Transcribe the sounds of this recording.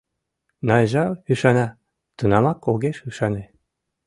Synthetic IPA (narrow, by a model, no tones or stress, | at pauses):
nɑjʒɑyʃɑnɑ | t̪ənɑmɑkoɣeʃyʃɑne